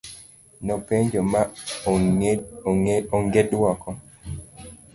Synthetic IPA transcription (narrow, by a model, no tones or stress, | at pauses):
nɔpeɲd͡ʒɔma | ɔŋɡedwɔkɔ